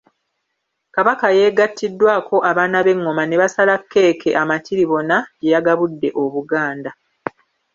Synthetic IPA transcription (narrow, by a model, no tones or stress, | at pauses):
kaβakaje̞ːɡatːidːwaːkʰo̞ʔaβaːnaβe̞ŋːo̞mane̞βasalakʰːe̞ːkʰe̞ʔamatiɾiβo̞naɟejaɡaβudːe̞ʔo̞βuɡaːnda